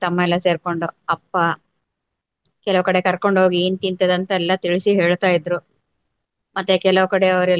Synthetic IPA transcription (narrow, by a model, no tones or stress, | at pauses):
t̪ɐmːɐɛlːɐse̞ːɾko̞ɳɖuɐpːɐ | kɛlɐʋkɐɽe̞kɐɾko̞ɳɖɦo̞ːɡiːnt̪int̪ed̪ɐnt̪ɐɛlːɐt̪iɭisiɦe̞ːɭt̪aːjid̪ɾu | mɐt̪ːekɛlɐʋkɐɽeɐʋɐɾɛ